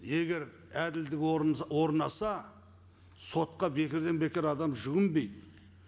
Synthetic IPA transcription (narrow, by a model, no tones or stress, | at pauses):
e̞ɡʲe̞ɾ | æd̪ɪld̪ɪkʲwo̞ɾnɑsɑ | so̞t̪̚qɑbe̞kʲɪɾd̪e̞nbe̞kʲɪɾɑd̪ɑmʒʊɡʲɪmbe̞jt̪